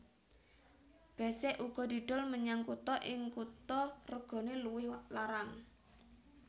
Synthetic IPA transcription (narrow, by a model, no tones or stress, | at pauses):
b̥ɛ̤sɛʔuɡ̥ɔ̤d̪̥i̤ɖ̪̥ɔlməɲaŋkut̪ɔʔɪŋkut̪ɔrəɡ̥ɔ̤neluwɪhlaɾaŋ